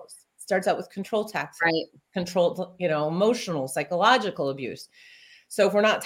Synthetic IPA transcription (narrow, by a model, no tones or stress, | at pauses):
stɑɹtsaʊt̚wəð̥kʰn̩tʰɹ̥oʊlˠtʰæksɹaɪt̚ | kʰɨ̃ntʰɹ̥oʊlˠtjɨnoʊmoʊʃn̩l̩ˠsaɪkəlɑd͡ʒɨkl̩ˠəbjʉ̰s | soʊəfwə˞nətʰ